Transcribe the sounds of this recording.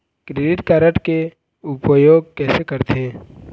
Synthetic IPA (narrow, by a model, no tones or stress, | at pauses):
kɾeɖɪʈkaːɾəʈke | ʊpəjoːɡ̚kɛːsekɐɾt̪ʰeː